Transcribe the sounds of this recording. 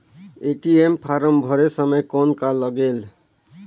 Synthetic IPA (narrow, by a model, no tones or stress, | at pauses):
eʈiempʰaɾəmbʱɔɾesəməjkɔnkalːəɡel